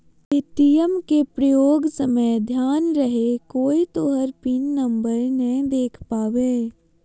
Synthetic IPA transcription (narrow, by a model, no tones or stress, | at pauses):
ɪt̪ijəmkepɾəjoːɡsəməd̪ʱjaːnɾɐɦekoːit̪oɦəɾpinːɐ̃mbəɾnɐɦĩd̪eːkʰpaːʋeː